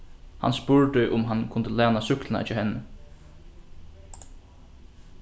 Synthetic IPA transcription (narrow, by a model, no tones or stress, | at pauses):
ha̰nspʊɹt̪ɪʔʊmɦankʰʊnt̪əlæːnasʏklɪna̰ɪt͡ʃːhɛnːə